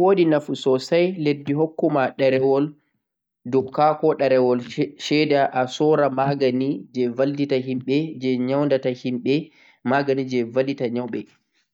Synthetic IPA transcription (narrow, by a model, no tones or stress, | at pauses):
wodinafusɔsajledːiɦokːumaɗɛɾɛwɔl | dumkakɔɗaɾɛwɔlʃɛdaʔasɔɾamaɡanid͡ʒɛvalditaɦimɓɛd͡ʒɛɲawndatahimɓɛ | maɡanid͡ʒɛvalitaɲawɓɛ